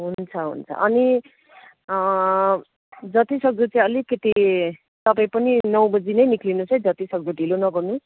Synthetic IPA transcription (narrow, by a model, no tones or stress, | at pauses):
ɦunt͡sʰʌɦṵnt͡sʰʌ̰ʔʌni | d͡zʌt̪isʌɡ̚d̪ut͡saĩʌlikːʌt̪i | t̪ʌpaĩpʌninʌw̃bʌd͡zinʌjniklinut͡sʌĩd͡zʌt̪isʌɡd̪uʈilonʌɡʌrnu